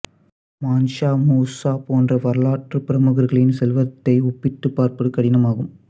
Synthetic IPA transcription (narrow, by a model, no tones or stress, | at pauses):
maːnʂaːmuːsaːpoːndrɐʋɐɾɯɭaːʈrɯpɪɾɐmʊɣɐɾɣɐɭɪnsɛlʋɐt̪ːɐɪɔpːɪʈːɯpːaːɾpɐɽɯkɐɽɪnɐmaːɣɯm